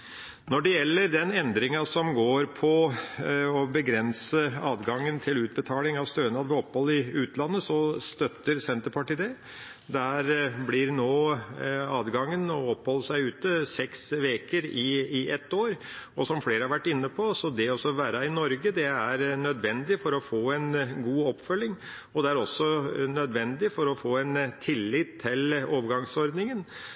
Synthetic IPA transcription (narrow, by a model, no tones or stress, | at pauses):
nɔɖɛjɛlːəɾd̪ɛnɛnd̪ɾɪŋɑsɔmɡoːɾpʰɔ | ɔbəɡɾɛnsəɑːd̪ɡɑŋːənt̪ʰɪlʉːt̪̚bət̪ʰɑːlɪŋɑʋst̪øːənɑːd̪ʋɛɔpːhɔlːɪʉːt̪ʰlɑnːəsɔst̪œt̪ːəɾsɛnt̪əɾpʰɑʈiːd̪ɛ | d̪æɾblɪɾnoː | ɑːd̪ɡɑŋːənɔɔpːhɔlːəsæɪʉːt̪əsɛksʋeːkəɾɪɪʔɛt̪ːoːɾɔsɔmfleːɾəhɑɾʋæʈːɪnːəpʰɔsɔd̪ɛɔsɔʋæːɾɑɪnɔɾɡəd̪ɛæɾnœd̪ʋɛnd̪ɪfɔɾɔfoːɛnɡuːɔpːfœlːɪŋ | ɔd̪ɛæɾɔsːɔnœd̪ʋɛnd̪ɪfɔɾɔfoːɛnt̪ʰɪlːɪt̪ʰːɪloːʋəɾɡɑŋsɔɾd̪nɪŋən